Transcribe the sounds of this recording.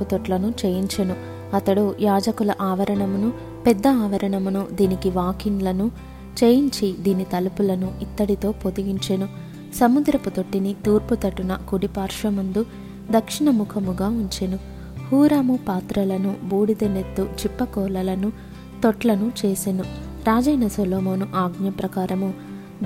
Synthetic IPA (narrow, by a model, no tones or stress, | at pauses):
ut̪oʈlɐnut͡ʃeːjiɲt͡ʃenu | ɐt̪ɐɽujaːd͡ʒɐkulɐʔaːʋɐɾɐɳɐmunu | pɛd̪ːɐaːʋɐɾɐɳɐmunud̪iːnikiʋaːkinlɐnu | t͡ʃeːjiɲt͡ʃid̪iːnit̪ɐlupulɐnuʔit̪ːɐɽit̪o̞ːpod̪iɡiɲt͡ʃenu | sɐmud̪ɾɐput̪oʈːinit̪uːɾput̪ɐʈːunɐkuɽipaːɾʂɐmund̪u | d̪ɐkʂiɳɐmukʰɐmuɡaːuɲt͡ʃenu | huːɾaːmupaːt̪ɾɐlɐnubuːɽid̪ɐlet̪ːut͡ʃipːɐkɔːlɐlɐnu | t̪oʈlɐnut͡ʃeːsenuɾaːd͡ʒɐjnɐsoloːmonuʔaːɡɲjɐpɾɐkaːɾɐmu